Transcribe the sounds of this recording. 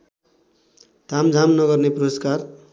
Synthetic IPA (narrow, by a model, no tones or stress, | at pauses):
t̪amd͡zʱamnʌɡʌrneproskar